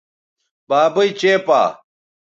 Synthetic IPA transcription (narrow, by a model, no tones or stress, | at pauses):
baːbɐit͡ɕeːpa̰ː